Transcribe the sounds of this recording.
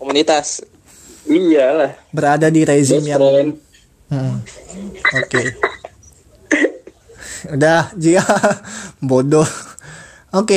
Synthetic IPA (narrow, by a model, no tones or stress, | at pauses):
komunit̪as | ijalahbəɾadadiɾezɪmjaŋn | m̩m̩ | oke | udahd͡ʒika | bodɔ | oke